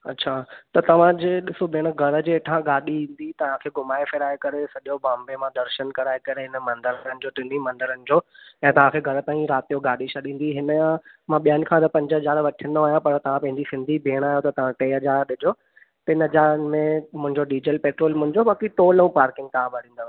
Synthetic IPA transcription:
ɐ̰tːɕʰaːt̪ɐt̪ɐʋ̤ãd͡ʑeːɗɪsobʱeːɽ̃əɡʱɐɾə̆d͡ʑeːʈʰãɡaːɗiɦĩːn̆d̪it̪ɐʋ̤ãkʰeːɡʱʊmaːefɪɾaːekɐɾesɐʄobãːmbemãd̪ɐɾʃənkɐɾaːekɐɾeɦɪnəmɐ̃nd̪əɾənɪ̆d͡ʑoːʈɪnimɐ̃nd̪əɾənɪ̆d͡ʑoːɛ̃ːt̪ɐʋ̤ãkʰeːɡʱɐɾət̪ãːĩɾaːt̪ijoɡaːɗisʰɐɗĩːn̆d̪iɦɪnəjã | mãɓijaːnɪ̆kʰãt̪ɐpɐ̃ɲd͡ʑəɦɐzaːɾʋɐʈʰiə̃nd̪oaːɦjãpɐɾt̪ɐʋ̤ãpɐ̃ɦɪ̃ɲd͡ʑisɪ̃nd̪ʱibʱeːɽ̃aːɦjot̪ɐt̪ɐʋ̤ãʈeːɦɐzaːɾɗɪd͡ʑʱoː | t̪ɐɪnəɦɐd͡ʑaːɾənɪ̆mẽmʊ̃ɦɪ̃ɲd͡ʑoɖiːd͡ʑəlpeːʈɾoːlmʊ̃ɦɪ̃ɲd͡ʑobaːkit̪oːlɐũpaːɾkɪ̃ŋɡ̚t̪aãbʱɐɽĩːnd̪o

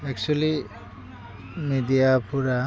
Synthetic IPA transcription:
ɛk̚t͡ʃuali | midiapʰuɾa

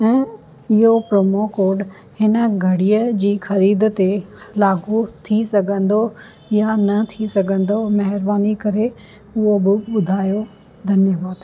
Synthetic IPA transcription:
ɛ̃ː | ɪɦopɾoːmokoːɾɖ | hɪnə̆ɡʱɐɽiːəd͡ʑiːxɐɾiːd̪t̪elaːɡʱut̪ʰisɐɡʱə̃nd̪o | janɐt̪ʰisɐɡʱə̃nd̪omɐɦɪɾbaːnikɐɾe | ʊɦobɪɓʊd̪ʱaːjo | d̪ʱɐnjəbaːd̪

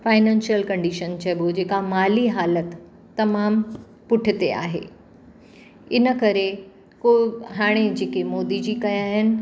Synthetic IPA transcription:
faːɪnɛ̃ːnʃijəlkɐ̃ɳɖiʃənt͡ɕʰɐbod͡ʑeːkamaːliɦaːlət̪ː | ɐmaːm | pʊʈʰɪt̪ea̰ːɦḛː | ɪnə̆kɐɾe | koːɦaːɽ̃ed͡ʑeːkemɔːd̪id͡ʑiːkɐjaːɦɪnɪ̆

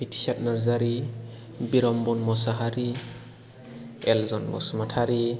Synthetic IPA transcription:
bitʰi̥sat̚naɾzaɾi | biɾɔmbɔnmɔsaɦaɾi | ɛlzɔnmɔ̰smatʰaɾi

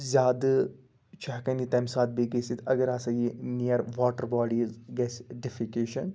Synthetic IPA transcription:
zʲaːd̪ | t͡ʃʰaɦkɐnit̪ɐmsaːt̪̚biɡɐsit̪ʰɐɡɐɾaːsɐɡiniɐɾʋɔːʈəɾbaːɖiːzɡɛsɖɪfikeːʃɐn

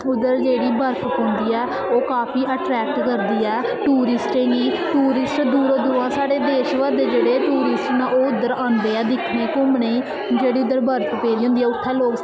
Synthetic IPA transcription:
ʊd̪əɾd͡ʒeːɽiːbəɾpʰpõːnd̪iːɛː | oːkaːpʰiːʔəʈɾɛːk̚ʈkəɾd̪iːɛː | ʈuːɾɪsʈẽːŋɡiːʈuːɾɪsʈd̪uːɾod̪uːɾãːsaːɽeːd̪eːʃʋad̪eːd͡ʒeːɽeːʈuːɾɪsʈnãːoːʊd̪ːəɾãːnd̪eːɛːd̪ɪkʰnẽːkʊmɳeː | d͡ʒeːɽiːʊd̪əɾbəɾp̪ʰpẽːɾiːõːnd̪ːɛːʊt̪ʰːɛːloːk

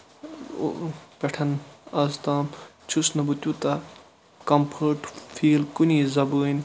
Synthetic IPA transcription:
peʈʰɐnɐzt̪aːm | t͡ʃʰusnɐbut̪ʲut̪ɐ | kɐmpʰəʈfʰiːlkunʲiːzɐbəːnʲ

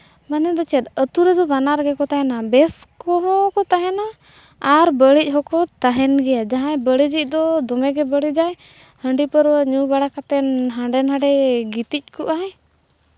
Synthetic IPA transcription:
manɛd̪ɔt͡ʃɛt̪ət̪uɾɛd̪ɔbanaɾɡɛkɔt̪aɦɛnabɛskɔɦɔ̃kɔt̪aɦɛnaː | ɾbəɽic̚ˀɦɔkɔt̪aɦɛnɡɛjad͡ʒaɦãjbəɽid͡ʒic̚ˀd̪ɔd̪ɔmɛɡɛbəɽid͡ʒaj | həɳɖipəɾwaɲubaɽakat̪ɛnɦãɳɖɛnɦãɖɛɡit̪ic̚ˀkɔʔaɦɛ

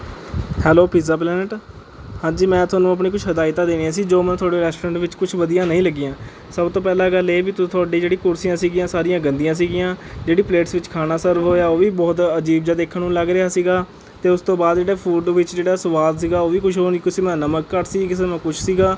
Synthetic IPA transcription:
hɛːloːpʰiːzaːp̬lɛːnəʈ | hãːd͡ʒiːmɛ̃ːt̪ʰʊaːnũːəp̬ɳiːkʊt͡ʃʰɦəd̪aːɪt̪aːd̪eːniːaːsiːd͡ʒoːmɛ̃ːt̪ʰʊaːɖeːɾɛːsʈoːɾɛ̃ːɳʈʋɪt͡ʃkʊt͡ʃʰʋəd̪ijãːnəĩːləɡːɪjãː | səbt̪õːpɛːlãːɡəleːbiːt̪ʊt̪ʰʊaːɖĩːd͡ʒeːɽĩːkʊɾsijãːsiːɡɪjãːsaːɾɪjãːɡənd̪ijãːs̬iːɡɪjãːd͡ʒeːɽiːpleːʈsʋɪt͡ʃkʰaːnaːsəɾʋɦoːjaːoːʋiːbɔːt̪əd͡ʒiːbd͡ʒaːd̪eːkʰnũːləɡɾeaːsiːɡaː | t̪eːʊst̪õːbaːd̪d͡ʒeːɽeːpʰuːɖʋɪt͡ʃd͡ʒeːɽaːsʊʋaːd̪siːɡaːoːʋiːkʊt͡ʃʰɦoːniːkʊsimɛ̃ːnəməkːəɾsiːkɪs̬eːmɛ̃ːkʊt͡ʃʰsiːɡaː

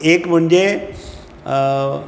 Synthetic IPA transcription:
eːkm̤əɳd͡ʑe

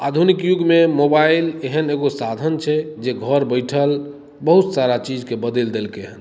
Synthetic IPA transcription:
ad̪ʱunikjuɡmemobaileɦəneɡosad̪ʱənt͡ʃʰɛd͡ʒeɡʱəɾbəɪʈʰəl | bəɦut̪saɾat͡ʃid͡ʒkebəd̪eld̪elkeɦən

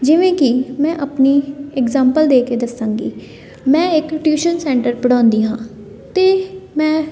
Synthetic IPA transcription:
d͡ʒɪʋẽːkɪmɛ̃ːʔəpniːɛɡzãːmpəld̪eːked̪əsãːŋɡḭː | mɛ̃ːɪkʈjuːʃənsɛ̃ːɳʈəɾpəɽãːnd̪iːɦãː | t̪eːmɛ̃ː

